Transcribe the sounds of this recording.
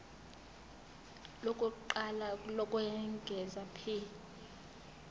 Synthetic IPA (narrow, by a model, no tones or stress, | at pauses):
lokʼuǃalalɔkʼwɛŋɡʱɛzapʰil